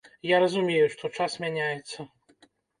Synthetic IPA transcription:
jaɾɐzumʲejuʂt̪ɔt͡ʂasmʲanʲajɛt̪sːɐ

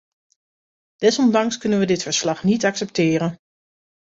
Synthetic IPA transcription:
d̥ɛsɔndɑŋskɵnənʋədɪtfəɹslɑχnitɑksɛp̚tɪːɾən

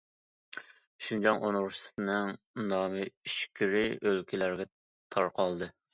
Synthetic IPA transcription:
ʃund͡ʒɑŋʔonʁʊʃt̪ɨ̥t̪nɨŋ | nɑːmɨiʃkʲʰiɾɪʔølkʲʰilæɾɡʲɛ | t̪ʰɑɾqʰɑlˠd̪ɨ

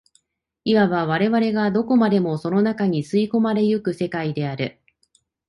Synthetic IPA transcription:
iβaβaβ̞aɾe̞βaɾe̞ɡad̪o̞ko̞mad̪e̞mo̞so̞no̞nakaɲ̟isɨiko̞maɾe̞jɯkɯ̟se̞kaid̪e̞aɾɯ̟

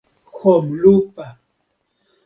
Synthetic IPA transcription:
xomlʊpa

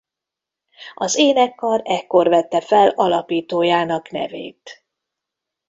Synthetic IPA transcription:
ɒzeːnɛkːɒɾɛkːo̞rvɛt̪ːɛfɛlɒlɒpiːt̪oːjaːnɒknɛ̰vḛːt̪

